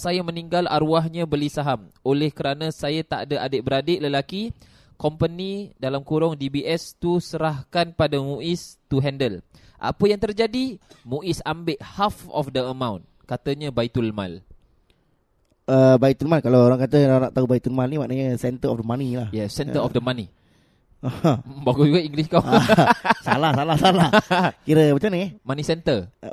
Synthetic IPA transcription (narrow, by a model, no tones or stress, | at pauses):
sajamə̃niŋɡala̰ɾuaɦɲãbəlisaɦamolɛhkəɾanãsajat̪a̰ʔdaʔadəʔbəɾadeʔləlaki | kɔmpənidalamkuɾɔŋdibiʔɛst̪usəɾahkanpadamũʔist̪uɦɛndəlʔa̰pəjaŋt̪ərd͡ʒadimũʔisambɪʔhafɔ̰fdəəmãwn | kat̪əɲəbait̪ulmã̰l | əbait̪ulmalkalawoɾaŋkat̪əanaʔt̪aubait̪ulmalnimaʔnaɲəsɛnt̪əɾɔfdəmanilahjɛsɛnəɾɔfdəmani | baɡud͡ʒuɡaiŋɡliskaw | salahsalahsalakiɾəmat͡ʃanəjɛmanisɛnt̪ər